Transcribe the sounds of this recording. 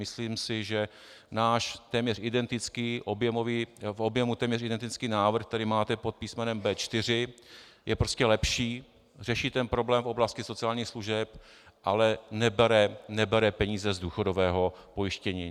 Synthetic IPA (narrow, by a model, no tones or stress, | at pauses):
mɪsliːmsɪʒɛ | naːʃt̪ɛːmɲɛrʔɪdɛnt̪ɪt͡skiːʔobjɛmoviːfʔobjɛmut̪ɛːmɲɛrɪdɛnt̪ɪt͡skiːnaːvr̩xt̪ɛɾiːmaːt̪ɛpo̞t̪̚piːsmɛnɛmbɛːt͡ʃt̪ɪr̝ɪ | jɛpɾoscɛlɛpʃiː | r̝ɛʃit̪ɛnpɾo̞blɛːmfʔo̞blascɪso̞t͡sɪaːlɲiːxsluʒɛp | ʔalɛnɛbɛɾɛnɛbɛɾɛpɛɲiːzɛzduːxo̞dovɛːɦo̞po̞jɪʃcɛɲiː